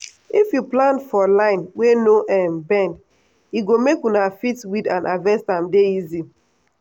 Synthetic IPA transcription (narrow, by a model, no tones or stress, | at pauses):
ifjuplãnfɔlãɪ̃nwenoʔɛmbɛ̃nd | iɡomekunafitwidãnʔavɛ̃stãmdeizi